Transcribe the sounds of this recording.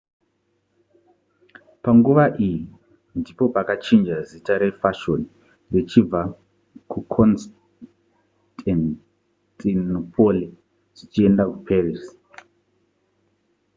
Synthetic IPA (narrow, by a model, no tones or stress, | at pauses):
paŋɡuʋaʔiji | ndipo̞pakat͡ʃind͡ʒazitaɾefaʃoni | ret͡ʃib͡va | kukʰons | tan | tʼinupʰo̞li | ʐ̥it͡ʃie̞ndakupʰerisi̥